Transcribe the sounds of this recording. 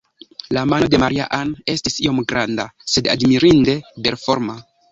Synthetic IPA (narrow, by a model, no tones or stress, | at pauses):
lamano̞de̞maɾia̰ʔane̞stisio̞mɡɾandase̞da̰dmiɾinde̞be̞ɾfo̞ɾma